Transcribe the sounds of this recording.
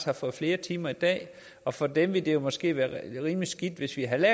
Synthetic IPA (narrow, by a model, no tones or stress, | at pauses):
shɑ̈fɒ̽ð̩ˠfle̝ːɐt͡sʰiːmɐid̥ɛ̰ː | ɒ̽fɒ̽d̥emʋe̝ld̥e̝jo̝mɒ̽sɡ̥e̝̰ːʋæːɐʁiːmlisɡ̥id̥ʋe̝sʋiɦælɛ